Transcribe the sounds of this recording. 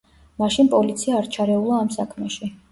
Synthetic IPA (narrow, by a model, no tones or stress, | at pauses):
maʃinpʼɔlit̪sʰiaːɾt͡ʃʰaɾɛulˠaːmsakʰmɛʃi